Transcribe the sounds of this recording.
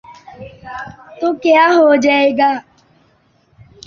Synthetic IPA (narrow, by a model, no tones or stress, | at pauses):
t̪okeaɦod͡ʒaeɡa